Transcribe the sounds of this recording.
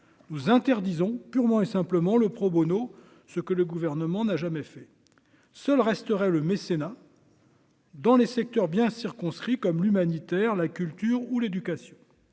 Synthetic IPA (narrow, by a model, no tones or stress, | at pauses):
nuzɛ̃t̪ɛʁd̪izɔ̃pyʁmɑ̃esɛ̃pləmɑ̃ləpχobono | səkələɡuvɛʁnəmɑ̃naʒamɛfɛ | sœlʁɛst̪əʁɛləmesena | d̪ɑ̃lesɛk̚t̪œʁbjɛ̃siʁkɔ̃skχikɔmlymanit̪ɛʁlakʲylt̪yːʁuled̪ykasjɔ̃